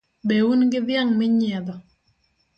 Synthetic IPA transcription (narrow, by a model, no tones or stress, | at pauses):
bɛwunɡɪðjaŋmɪɲɛd̪ɔ